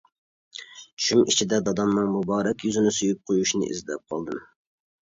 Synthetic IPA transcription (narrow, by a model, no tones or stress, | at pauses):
t͡ʃʃymit͡ʃʰid̪ɛd̪ɑd̪ɑnːɨŋmubɑːɾɛkʲjyzɪnɪsojyp̚qʰojuʃnɨ̰ʔḭzd̪ɛp̚qʰɑ̰lˠd̪ɨm